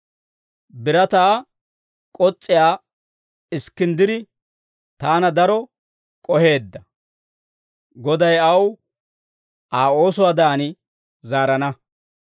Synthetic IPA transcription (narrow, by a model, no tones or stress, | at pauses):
bɪɾɐt̪aː | kʼɔt͡sʼːɪjaː | ɪskːɪnd̪ɪd̪ɪ | t̪aːnɐd̪ɐɾɔ | kʼɔhe̞ːd̪ːɐ | ɡɔd̪ɐjɐw | ʔaːo̞ːsʊwaːd̪aːnɪ | zaːɾɐnɐ